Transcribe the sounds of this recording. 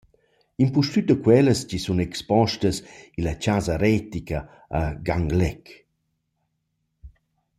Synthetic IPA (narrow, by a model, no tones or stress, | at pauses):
impuʃtyt̚d̪əkwɛləst͡ʃisunɛkspɔʃtəsilɐt͡ʃazaɾɛt̪ika | aɡaŋɡlɛk